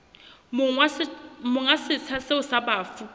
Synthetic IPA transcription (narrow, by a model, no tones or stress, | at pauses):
mʊamʊŋasɪt͡sʰasɪʊsabaːfu